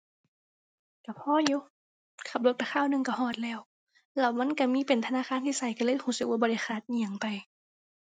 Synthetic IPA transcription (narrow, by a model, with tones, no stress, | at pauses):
ka˧˩pʰɔː˧˥˨ju˧˥ | kʰa˧˩p̚lo˧t̪̚pa˧˩kʰaː˧˥˨wnɯ˧ŋka˧˩hɔː˧˩t̪̚lɛː˧˩˨w | lɛ˧˩wma˧˥˨nka˧˩miː˧˥˨pe˨˩nt̪ʰa˧naː˧˨xaː˧˥˨nt̪ʰiː˧˨sa˧˩jka˧˩lɤː˧˥˨jhuː˧˩sɯ˨˧k̚aː˧bɔː˧a˧˩jxʰaː˧˩t̪̚ɲi˧˨a˨˩˦ŋpa˨j